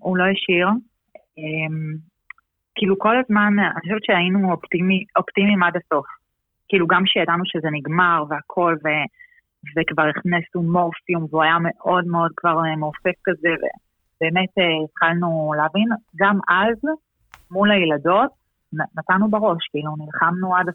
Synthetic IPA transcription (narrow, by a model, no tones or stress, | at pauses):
ulo̞jaʃiʁ | em | kiːluko̞lazmana̰nioʃevetʃeainuopt̪imiʔo̞ptimimadaso̞f | kiiːluɡamʃejadanuʃezeniɡmaʁveakʰo̞lve̞ | vekvaʁiχnesnumofijumveuajame̞ʔo̞dmeo̞d̚kvaʁmeːfe̞fkaze̞vḛ | b̥e̞ːme̞teetχalnuleavinɡamʔaz | mulajlado̞t̚ | nnatanubaʁo̞ʃkiilunilχamnuadas